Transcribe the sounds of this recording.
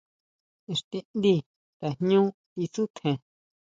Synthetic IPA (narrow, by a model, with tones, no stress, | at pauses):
e˧ʂt̪i˧nd̪i˧˨ | t̪a˨hɲũ˦ | i˧su˦t̪ʰẽ˨